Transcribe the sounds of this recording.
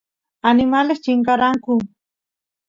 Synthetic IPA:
anɪmalest͡ʃɪŋkaɾaŋkʊ

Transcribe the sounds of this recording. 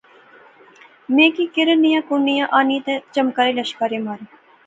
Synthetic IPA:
mẽːkiːkɪɾənɪjãːkunːɪjãːʔaːniːt̪et͡ʃəmkaːɾeːlɐʃkaːɾeːmaːɾ

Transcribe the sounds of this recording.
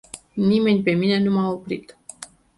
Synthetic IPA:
nime̞nʲpe̞mine̞numaopɾit̪

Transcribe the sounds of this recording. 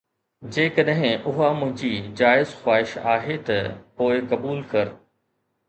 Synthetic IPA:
d͡ʑeːkəɗɦɪ̃ʊɦamʊ̃ɦɪ̃ɲd͡ʑid͡ʑaːɪzxwaːɪʃa̰ːɦet̪ɐpoːɪkɐbuːlkɐɾ

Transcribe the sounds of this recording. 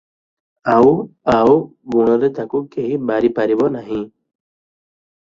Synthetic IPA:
awawɡuɽ̃ɔɾet̪akukeɦibaɾipaɾibɔnaɦĩː

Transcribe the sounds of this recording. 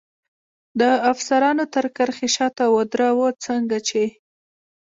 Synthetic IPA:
d̪əafsaɾɑnot̪əɾkəɾxeʃɑt̪awəd̪ɾawət͡səŋɡat͡ʃe

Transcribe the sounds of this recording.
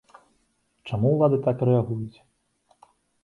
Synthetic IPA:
t͡ʂamuwlˠad̪ɨt̪akɾɛaɣujut͡sʲ

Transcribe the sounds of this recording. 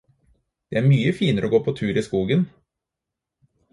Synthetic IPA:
d̪̥ɛæːɾmyːəfiːnəɾʔoːɡoːpʰot̪ʰʉːɾiːskuːɡən

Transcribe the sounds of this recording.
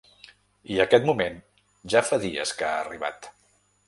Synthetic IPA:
iəkɛt̪mumen | ʒafaðiə̰skaːriβ̞a̰t̪

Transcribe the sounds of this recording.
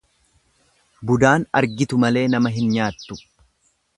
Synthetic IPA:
bʊd̪aːnɐ̰ɾɡɪt̪ʊmɐle̞ːnɐmɐɦɪnɲaːt̪ːʊ̥

